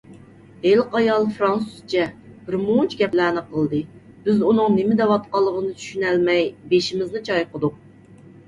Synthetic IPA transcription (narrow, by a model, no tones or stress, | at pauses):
elqɑjɑlˠfɾɑnsust͡ʃʰɛb̥ɪɾmunt͡ʃʰɡʲɛplæːnɨqəlˠd̪ɨ | b̥ɪzunɨŋnɪmɪd̪ɛwɑt̪̚qɑlˠːəʁənɨt͡ʃ̪ʰy̥ʃynɛlmɛjbeʃimɪznɨt͡ʃʰɑjqəd̪uq̚